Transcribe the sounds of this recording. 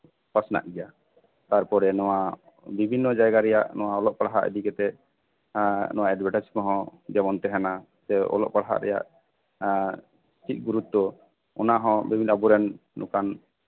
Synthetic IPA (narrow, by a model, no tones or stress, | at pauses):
pasna̰ʔɡɛja | t̪aɾpɔɾɛnɔwa | bibʱinːɔd͡ʒajɡaɾɛjaʔnɔwaɔlɔʔ̚paɽaɦa̰ʔə̰dikɛt̪ɛ | nɔwaɛɖbɛʈat͡ʃi̥kɔɦɔ̃d͡ʒɛmɔnt̪ɛɦɛna | sɛɔ̰lɔ̰ʔ̚paɽɦa̰ʔɾɛ̰ja̰ʔ | st̪ʰit̪̚ˀɡuɾut̪̚ːɔ | ɔnaɦɔ̃bibʱinabuɾɛnːukan